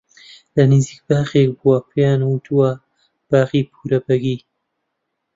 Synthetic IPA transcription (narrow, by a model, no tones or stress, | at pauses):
lɐniziːk̚baːχek̚buwɐpʰejaːnwut̪ʰuwɐ | b̥aːxipʰuːɾɐbɐɡiː